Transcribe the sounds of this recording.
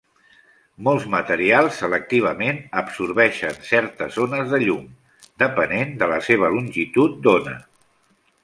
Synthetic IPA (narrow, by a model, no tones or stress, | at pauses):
mɔlˠzmət̪əɾialˠsːələk̚t̪iβ̞əmenəbsuɾβɛʃənsɛɾt̪əzonəzðəʎum | d̪əpənend̪ələseβ̞əlunʲʒit̪ut̪̚d̪onə̰